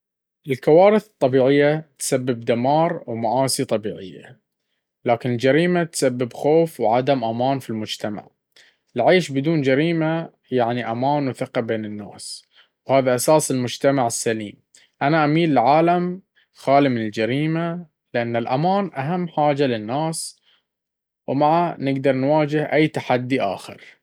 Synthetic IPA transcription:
ʔɪlkawaːɾɨθɨt̪ˤːɑbiːʕɪjːat̪sabːɪb̚d̪amɑːɾˤwmaʔaːsit̪ˤɑbiːʕɪ̰jːa̰ | laːkɪnɪld͡ʒaɾiːmat̪sabːɪbxoːfwʕad̪amʔamaːnfilmʊd͡ʒt̪ama̰ʕ | ɪlʕeːʃbɪd̪uːnd͡ʒaɾiːma | jaʕniʔamaːnwθɪqɑbeːnɪnːa̰ːs | whaːðaʔasaːsɪlmʊd͡ʒt̪amaʕɪsːaliːm | ʔanaʔamiːlɪlʕaːlam | xaːlimɪnɪld͡ʒaɾiːma | lɪʔanːɪlʔa̰maːnʔaɦamːħaːd͡ʒalɪnːaːs | wmaʕanɪɡd̪ɑɾˤnwaːd͡ʒɪhʔajːt̪aħad̪ːiʔa̰ːxɪ̰ɾ

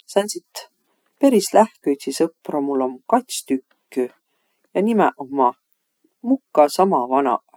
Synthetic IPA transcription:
sɑnsit̪ː | pe̞ɾislæhkyjt̪ʲsisɤpːˑromulːomkɑt̪ʲst̪ykːy | jɑnimɛ̰ʔomːɑ | mukːˑɑsɑmɑvɑnɑ̰ʔ

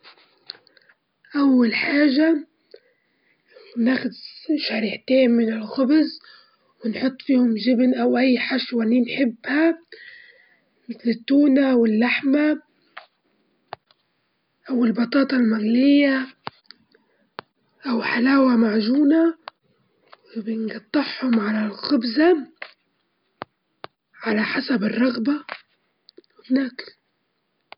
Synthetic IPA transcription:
ʔawːalħaːʒa | naxʊd̪ʃaɾiːħt̪eːnmɪnɪlxʊbz | wɪnħʊt̪ˤːfiːhʊmʒɪbnʔawʔajːħaʃwaniːnħɪbːha | mɪθlɪt̪ːuːnaʔwɪlːaħma | ʔawɪlbɑt̪ˤɑːt̪ˤɑlmaɣlɪjːa | ʔawħalaːwamaʕʒuːna | wɪbjɪnɡɑt̪ˤːɑħhʊmʕalalxʊbza | ʕalaħasabɪrˤːɑɣba | wɪbnaːk

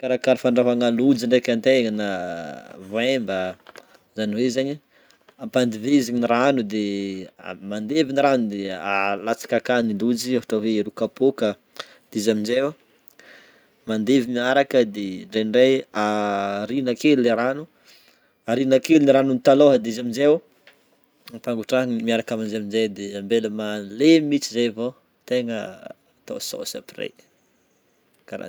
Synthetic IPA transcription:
kaɾakaɾifaɳɖ͡ʐavaŋalud͡ʒiɳɖ͡ʐakʲant̪eŋina | voembə | zaniwezaɲi | ampand̪iveiziɲiniɾanud̪ḛ | mand̪eviniɾanud̪ealat͡sḁkakanilud͡ʒiafḁʈ͡ʂaweɾukapokə | d̪̥izaminzew | mand̪evimiaɾakəd̪eɳɖ͡ʐenɖ͡ʐejaɾinakeluleɾanu | aɾinakeluniɾanunit̪aloɦad̪izaminzew | paŋɡuʈ͡ʂanimiaɾakamand͡ʒaminzejd̪eambeləmalemit͡sizejvo | t̪eŋə | t̪a̰so̰sa̰pirḛj | kaɾa̰

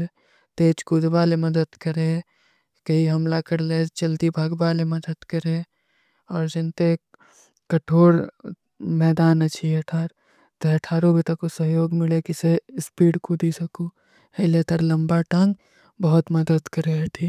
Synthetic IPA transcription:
e | t̪eːt͡ʃkud̪baːlemɐd̪əd̪kɐɾẽ | kɐɦiɦɐmlakɐɾlet͡ʃɐld̪ibʱaːɡbaːlemɐd̪əd̪kɐɾẽ | ɔːɾd͡ʒɪnt̪e | kɐʈʰoːɾ | mɛːd̪aːnɐt͡ʃʰiɐʈʰaːɾ | t̪eɐʈʰaːɾõbɪt̪ɐkosɐɦjoːɡmɪlekɪseɪspiːɽkod̪iːsɐku | elet̪əɾlɐ̃mbaʈãŋɡ | bɐɦʊt̪mɐd̪əd̪kɐɾeɐʈʰiː

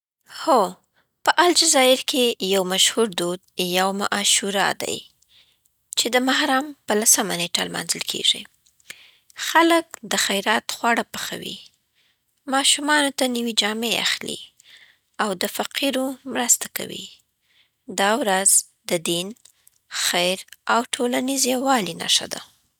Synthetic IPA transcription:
ho | pəʔald͡ʒazɑɪɾkʰejawmaʃhuɾd̪od̪̚jawmaʔɑʃuɾɑ̰d̪a̰j | t͡ʃed̪əmahɾampəlasəmaneʈalmɑ̰nzəlkʰḛʐḭ | xalək̚d̪əxajɾɑt̪xwɑɽapəxa̰wḭ | mɑʃumɑnot̪aniwid͡ʒɑmea̰xlḭ | awd̪əfaqiɾomɾəst̪aka̰wḭ | d̪ɑwɾaz | d̪əd̪in | xajɾawʈʰolanizjawɑlina̰ʂa̰d̪a̰

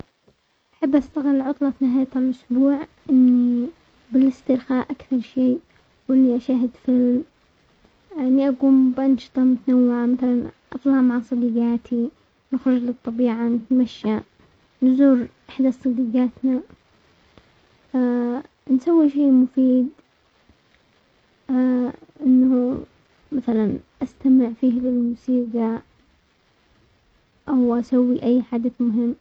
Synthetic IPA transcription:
ʔaħabːʔast̪aɣɪlːʕʊt̪ˤlɑt̪nɪɦaːjt̪alʔʊsbuːʕʔɪnːi | bɪlɪst̪ɪɾxaːʔakθɑɾˤʃeː | wʔɪlːiʔaʃaːɦɪd̪fɪlm | ʔɪnːiʔaɡuːmbʔɑnʃɨ̥t̪ˤɑmʊt̪anawːɪʕamaθalanʔɑt̪ˤlɑʕmaʕasˤɑd̪iɡaːt̪ʰi | nɪxɾʊd͡ʒlɨt̪ˤːɑbiːʕanɪt̪maʃːa | nʊzuːɾʔɪħd̪asˤɨd̪iːɡaːt̪na | nsawːiʃeːmʊfiːd̪ | ʔɪnːa | maθalanʔast̪amɪʕfiːhlɪlmʊsiːɡa | ʔawʔasawːiʔajːħad̪aθmʊɦɪmː

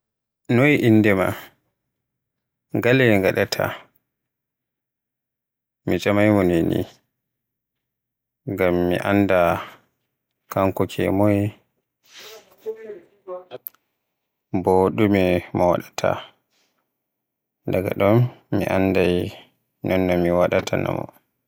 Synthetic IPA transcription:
nojʔinːdɛma̰ | ɡalɛŋɡaɗatʰa̰ | mit͡ʃamajmɔnenḭ | ŋɡamːḭʔanːda | kaŋkɔkʰɛ̰moj | bɔɗumimawa̰ɗatʰa̰ | daɡa̰ɗɔmmḭʔandaj | nɔnːɔmiwaɗatʰana̰mɔ̰

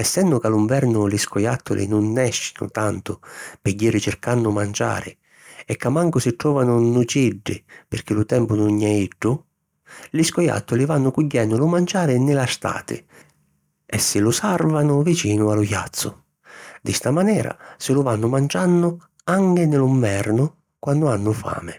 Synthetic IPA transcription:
ɛsːɛndʊkaluɱvɛrnʊlɪskɔjat̪ʰːʊ̰lʔɪ̰nʊnːɛʃːɪ̥nʊ̰t̪ant̪ʊpɪɟːiːɾɪt͡ʃɪrkanːʊmand͡ʒa̰ːɾɪ̰ | ɛkːamːaŋkʊsɪʈɾɔːvanʊnut͡ʃiɖːɪ̰pɪrk̟ɪlʊt̪ɛmpʊnʊɲːɛiɖːʊ | lɪskɔja̰t̪ːʊlɪvanːʊkuɟːɛnːʊlʊmand͡ʒaːɾɪnɪlast̪a̰ːt̪ɪ̰ | ɛsːɪlʊsarvanʊvit͡ʃiːnʊalʊja̰t̪sːʊ | d̪ɪst̪amanɛːɾa̰sɪlʊvanːʊmand͡ʒanːʊ | aŋkɪnɪlʊɱvɛrnʊ | kwanːd̪ʊanːʊfa̰ːmɪ

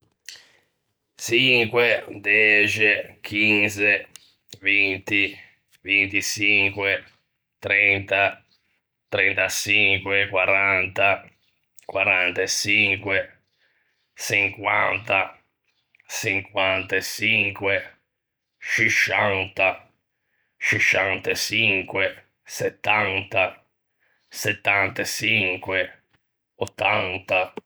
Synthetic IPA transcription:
siŋkwed̪ɛt͡ʃik̟ʰinze | vint̪i | vint̪it͡ʃiŋkwe | t̪ɾɛnt̪a | t̪ɾɛnt̪at͡ʃiŋkwekwaɾant̪a | kwaɾant̪esiŋkwe | siŋkwant̪a | siŋkwant̪et͡ʃiŋkwe | t͡ʃiʃant̪a | t͡ʃiʃant̪et͡ʃiŋkwe | sɛt̪ːant̪a | sɛt̪ːant̪at͡ʃiŋkwe | ɔt̪ːant̪a

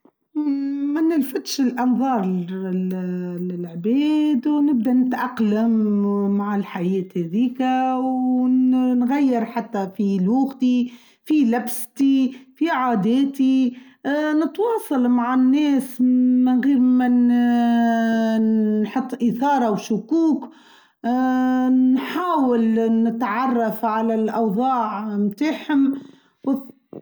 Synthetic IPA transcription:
mænɪlfɪt̪ʃɪlʔɑnðˤɑːɾˤ | ɪlʕbɛːd̪wnɪb̚d̪ænɪt̪ʔɑqlamːaʕɪlħajɛːt̪hɛðiːkaww | nɣajːɪɾħat̪ːafiluːɣt̪i | filabst̪ifiʕaːd̪ɛːt̪i | nɪt̪wɑːsˤɑlmaʕanːɛːsmɪnɣiːɾmæn | ħɑt̪ˤːʔiθɑːɾˤɑwʃʊkuːk | nħaːwɪlnɪt̪ʕɑrˤːɑfʕalælʔɑwðˤɑːʕmt̪aːħhʊm | w

